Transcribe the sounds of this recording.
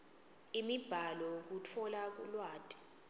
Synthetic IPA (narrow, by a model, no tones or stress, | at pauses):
imib̥ʱalɔk̬utʰɔlak̬ṵlwaːtʼi̥